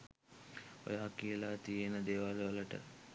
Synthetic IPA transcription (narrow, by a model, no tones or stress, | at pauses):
o̰jaːkiəlaːt̪ijenəd̪eːʋalʋələʈə̰